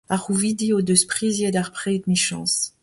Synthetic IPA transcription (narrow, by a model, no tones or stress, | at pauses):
aʁuvid̪iod̪əspχizjed̪aʁpχɛid̪miʃɑ̰̃s